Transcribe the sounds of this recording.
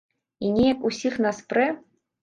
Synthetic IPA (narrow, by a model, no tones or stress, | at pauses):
inʲejakusʲixnaspɾɛ